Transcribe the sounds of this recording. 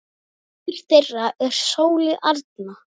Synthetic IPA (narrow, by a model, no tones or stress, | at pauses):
iɾ̥θejrːaʔɛɾ̥soːwlɪʔaɾt̪̚na